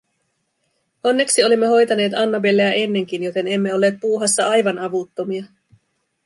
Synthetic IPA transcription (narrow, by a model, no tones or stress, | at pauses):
o̞nːe̞ksio̞limːe̞ɦo̞jt̪ɑne̞ːt̪ɑnːɑbelːeæʔe̞nːe̞ŋk̟injo̞t̪e̞ne̞mːe̞o̞lːeːt̪̚puːɦɑsːɑɑjʋɑnɑʋut̪ːo̞miɑ